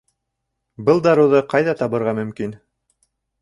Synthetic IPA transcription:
bɤlˠd̪ɑɾuðɤqɑjðɑt̪ɑβɤ̆ɾʁɑmɵ̆mkin

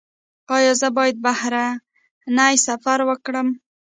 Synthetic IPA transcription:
ɑjɑzəbɑjad̪̚bahɾa | najsafaɾwəkɽəm

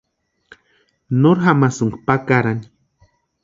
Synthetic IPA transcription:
noɾxamasuŋɡpakaɾani̥

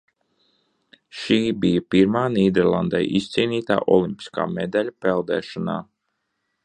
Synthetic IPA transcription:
ʃiːbijapiɾmaːniːd̪ɛɾlˠand̪ajʔist̪siːniːt̪a̰ːʔɔlˠimpi̥ska̰ːmed̪alʲapɛlˠd̪ɛ̰ːʃɔna̰ː

